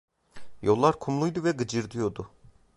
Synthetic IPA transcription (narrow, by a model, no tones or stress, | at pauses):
jo̞lˠːaɾkʰumlˠujd̪uvɛɡɯd͡ʒɯɾd̪ɯjo̞d̪ʊ